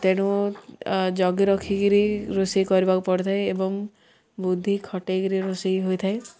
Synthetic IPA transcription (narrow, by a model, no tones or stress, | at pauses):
t̪eɽ̃u | d͡ʒɔɡiɾɔkʰikiɾiɾosikɔɾibakupɔɽet̪ʰaeebɔŋ | bud̪ʱːikʰɔʈekiɾiɾosiɦojt̪ʰae